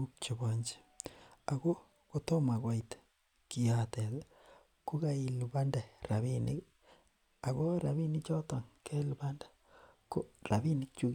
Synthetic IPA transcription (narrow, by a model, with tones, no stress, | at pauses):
uk̚t͡ʃoβoɲd͡ʒe̥ | aɣo˦ | ɣoto˦ma˨ɣwa˨ite̥ | kiate˨ðe | ku˦ɣa˦i˨luβa˦nda˨ɾaβini˦ | a˨ɣo˦ɾa˨βi˦ni˦t͡ʃo˦to˨ŋke˦luβa˦ndḁ | koɾa˨βi˦ni˦t͡ʃu˦